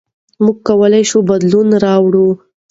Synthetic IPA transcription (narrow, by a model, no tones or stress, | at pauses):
muɡ̚kawəlajʃubad̪lunɾɑwɽu